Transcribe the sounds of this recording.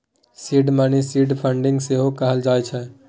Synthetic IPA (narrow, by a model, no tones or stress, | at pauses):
siɖmanesiɖpʰəɳɖĩŋɡseɦokəɦəld͡ʒaːɛt͡ʃʰɛ